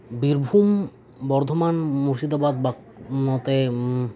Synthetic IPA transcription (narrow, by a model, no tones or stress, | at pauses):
biɾbʱum | bɔɾd̪ʱomanmuɾʃid̪abad̪̚ba | nɔt̪e